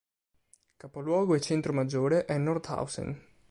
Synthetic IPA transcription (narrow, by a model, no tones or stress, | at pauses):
kapolwɔːɡoet͡ʃent̪ɾomad͡ʒːoːɾeʔɛnːɔrt̪a̰wsḛn